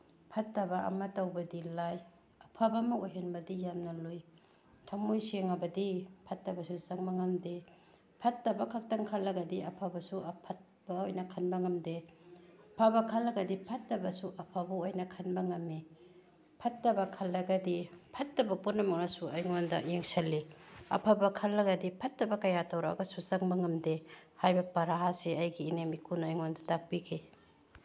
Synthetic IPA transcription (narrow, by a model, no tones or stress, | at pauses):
pʰatːɐbaʔɐ̰matawbɐdilaj | ɐpʰabamaojɦenbɐdijamnɐluj | tʰamojseŋabɐdipʰatːɐbɐsuzaŋmaŋamde | pʰatːabakʰak̚taŋkʰalːɐɡɐdiɐpʰabɐsuapʰat̚ | b̥aojnɐkʰanbɐŋamde | pʰabakʰalɐɡɐdipʰɐtːɐbɐsuʔɐpʰabɐojnɐkʰɐnbɐŋɐmi | pʰɐtːɐbɐkʰɐlːɐɡɐdipʰɐtːɐbɐputnɐmɐŋasuɐjŋondɐ̰jeŋsɐlːiɐ̰pʰabɐkʰɐlːɐɡɐdipʰɐtːɐbɐkɐjatɐwɾa̰ɡɐsusɐŋbɐŋɐmdehajbɐpɐɾaɦaseɐjɡiːnemikunːjŋondɐtak̚bikʰi